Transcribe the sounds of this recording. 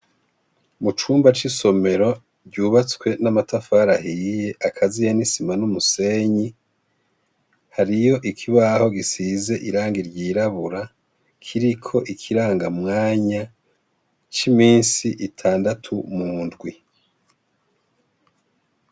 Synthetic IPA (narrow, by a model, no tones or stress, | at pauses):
mut͡ʃuːmbat͡ʃiso̞me̞ɾo̞ | ɾɟuːβat͡swe̞namatafaɾahije̞ʔakʰazijanisimanumuse̞ɲi | haɾijo̞ʔikʰiβaho̞ɡisize̞ʔiɾaːŋɡiɾɟiːɾaβuɾa | kʰiɾikʰo̞ʔikʰiɾaːŋɡamŋaːɲa | t͡ʃimiːnsiʔitʰaːndatʰumuːndɡwi